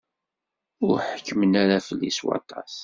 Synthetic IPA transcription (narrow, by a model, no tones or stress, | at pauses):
ʊɾħəkʰːəmənaɾafəlːiswɑ̰t̪ˤɑs